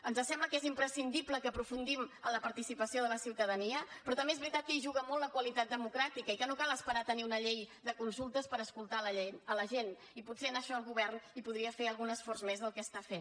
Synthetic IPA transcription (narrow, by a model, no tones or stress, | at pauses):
ənzəsɛmləkezimpɾəsind̪ipləkəpɾufund̪imələpəɾt̪isipəsioðələsiwt̪əðəniəpɾɔt̪əmbezβɾit̪at̪̚kəiʒuɣəmɔltːlːəkwəlit̪at̪̚d̪əmukɾat̪ikəikənokalˠəspəɾat̪əniunəʎejd̪əkunsulˠt̪əspəɾəskulˠt̪aləenələʒen | iputsenəʃɔəlˠɣuβɛrnipuðɾiəfeəlˠɣunəsfɔrzmezðəlˠkəst̪afen